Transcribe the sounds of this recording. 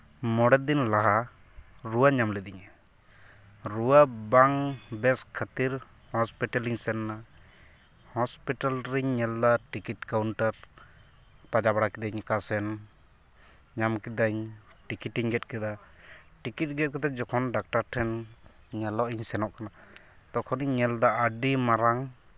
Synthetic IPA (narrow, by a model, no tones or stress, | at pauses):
mɔɽɛd̪inlaɦa | ɾuwaɲamlɛd̪iɲa | ɾuwabaŋbɛskʰət̪iɾ | hɔspiʈaliɲsɛnːa | hɔspiʈalɾiɲɲɛld̪aʈikiʈ̚kawɳʈaɾ | pad͡ʒabaɽakid̪aɲkasɛn | ɲamkid̪aɲʈikiʈiŋɡɛt̪̚kɛd̪aʈikit̚ɡɛt̪̚kɛt̪ɛd͡ʒɔkʰɔnɖak̚ʈaɾʈʰɛn | ɲɛlɔʔiɲsɛnɔʔkana | t̪ɔkʰɔniɲːɛld̪aəɖimaɾaŋ